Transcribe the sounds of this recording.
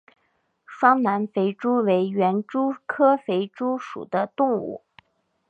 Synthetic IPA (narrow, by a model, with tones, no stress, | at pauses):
ʂwɑ˥ŋna˧˥nfe˧˥ɪʈ͡ʂu˥we˧˥ɪɥɛ˧˥nʈ͡ʂu˥kʰɤ˥fe˧˥ɪʈ͡ʂu˥ʂṵ˨˩d̪ə˦t̪ʊ˥˧ŋṵ˥˩